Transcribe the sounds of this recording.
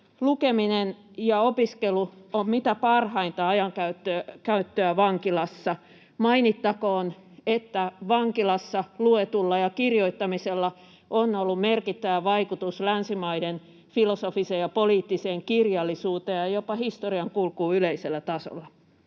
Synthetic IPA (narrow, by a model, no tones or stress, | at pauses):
lukeminen | jɑopiskeluommit̪æpɑrhɑint̪ɑɑjɑŋkæyt̪ːøkæyt̪ːøæʋɑŋkilɑsːɑ | mɑinit̪ːɑkoːn | et̪ːæʋɑŋkilɑsːɑluet̪ulːɑjɑkirjoit̪ːɑmiselːɑ | ʔonːolːummerkit̪ːæʋæʋɑikut̪uslænsimɑiden | filosofisejɑpoliːt̪ːiseːŋkirjɑlːisuːt̪ejɑjopɑhist̪oriɑŋkulkuːyleiselːæt̪ɑso̰lːɑ